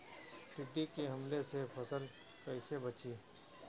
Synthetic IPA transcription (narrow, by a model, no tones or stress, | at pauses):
ʈɪɖːikeɦɐmlesepʰɐsəl | kɐɪsebɐt͡ʃiː